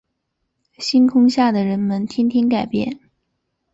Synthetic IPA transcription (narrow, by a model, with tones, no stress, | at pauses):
ɕi˥nkʰʊ˥ŋɕja˥˩d̪ə˩ɻə˧˥nmə˧nt̪ʰi˥nt̪ʰi˥nka˨˩ɪpjɛ̰˥˩n